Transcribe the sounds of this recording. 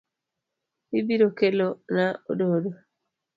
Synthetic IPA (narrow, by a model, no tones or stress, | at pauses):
hibiɾɔkɛlɔnaɔ̰ɗɔːɗɔ